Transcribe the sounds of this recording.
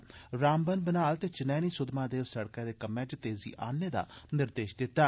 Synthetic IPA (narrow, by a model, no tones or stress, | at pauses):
ɾaːmbənbənaːlt̪eːt͡ʃɪnɛːniːsʊd̪maːd̪eːʋsəɽkɛ̃ːd̪eːkəmːɛ̃ːd͡ʒt̪eːzḭːʔaːneːd̪a̰ːnɪɾd̪eːʃd̪ɪt̪ːaː